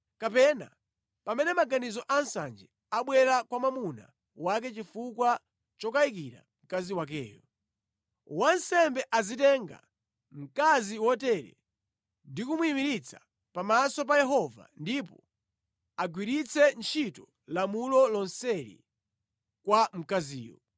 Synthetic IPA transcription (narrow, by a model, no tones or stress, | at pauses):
kapɛna̰ | pamɛnɛmaɡanizɔʔansa̰nd͡ʒɛ | aɓwɛɾakwamamuna̰ | wak̬ɛt͡ʃifukwa | t͡ʃɔkaik̬iɾa̰m̩kaziwak̬ɛ̰ːjɔ | wansɛmbɛʔazitɛŋɡa̰ | m̩kaziwɔtɛɾɛ̰ | ndikumuimiɾit͡sʰḁ | pamasɔp̬ajɛɦɔva̰ndipɔ | aɡwiɾit͡sʰɛnt͡ʃʰitɔ | lamulɔlɔnsɛɾḭ | kwam̩kazḭːjɔ̰